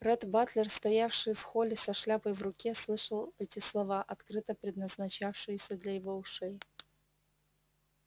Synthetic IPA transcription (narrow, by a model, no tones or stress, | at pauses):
rɛt̪bat̪lʲɪrst̪ɐjafʂɨjfxolʲɪsɐʂlʲapəjvrʊkʲeslˠɨʂəlˠɛtʲɪslˠɐvaʔɐt̪kɾɨt̪əpɾʲɪd̪nəznɐt͡ɕafʂɨjɪsʲəd̪lʲɐjɪvoʊʂɛj